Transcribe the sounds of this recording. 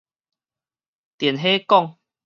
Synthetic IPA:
t̪jɛ˨˩nɦe˦kɔ˥˨ŋ

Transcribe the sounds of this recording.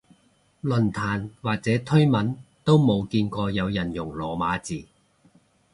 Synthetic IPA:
lɵ˨˩nt̪ʰaː˨˩nwaː˨k̚t͡sɛː˨˥t̪ʰɵ˥ɥmɐ˨˥nt̪o˥wmo˨˧wkiː˧nkɔː˧jɐ˨˧wjɐ˨˩njʊ˨˩ŋlɔː˨maː˨˥t͡siː˨

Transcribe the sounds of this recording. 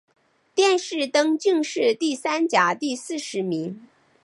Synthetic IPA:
t̪jɛ˥˧nʂɻ̩˥˩t̪ɤ˥ŋt͡ɕi˥˧ŋʂɻ̩˥˧t̪i˥˩sa˥nt͡ɕja˨˩t̪i˥˧sɹ̩˥˩ʂɻ̩˧˥mi˧˥ŋ

